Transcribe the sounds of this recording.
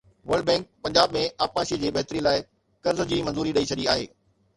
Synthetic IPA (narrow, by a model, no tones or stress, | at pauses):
ʋɐɾɖ̚bɛ̃ːŋk̚pɐ̃ɲd͡ʑaːbmẽʔaːpmaːʃid͡ʑiːbɐɦt̪ɾilaːɪ | kɐɾzd͡ʑiːmɐ̃nzuːɾiɗɐit͡ɕʰɐɗiaːɦḛː